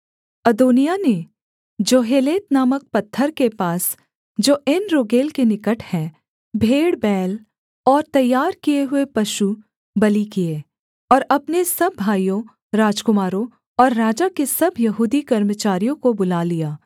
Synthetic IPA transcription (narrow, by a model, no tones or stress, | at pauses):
ɐd̪oːnijane | d͡ʒoːɦeːleːt̪naːmək̚pɐt̪ʰːəɾkepaːs | d͡ʒoːɪnɾoːɡeːlkenɪkəʈʰhɛ̃ | bʱeːɽbɛːl | ɔːɾt̪ɐjːaːɾkijeɦʊepɐʃu | bɐlikie | ɔːɾɐpnesɐbːʱaːijõ | ɾaːd͡ʒkʊmaːɾõ | ɔːɾːaːd͡ʒakesɐbʱjɐɦuːd̪ikɐɾmət͡ʃaːɾijõkobʊlaːlijaː